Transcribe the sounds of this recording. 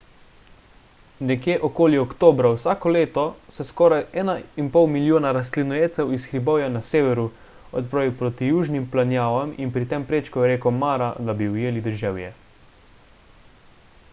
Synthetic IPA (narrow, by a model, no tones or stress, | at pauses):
nɛkjeːʔɔkoːljiɔkt̪oːbɾawsaːkɔleːt̪ɔsɛskɔːɾajʔɛːnainpɔwmiljoːnaɾast̪linɔjeːt̪sɛwisxɾibɔːwjanaseːʋɛɾu | ɔt̪pɾaːʋiwpɾot̪ijuːʒnimplanjaːʋaminpɾit̪empɾeːt͡ʃkɔjɾeːkɔmaːɾad̪abiwjeːlid̪əɾʒɛːwjɛ̰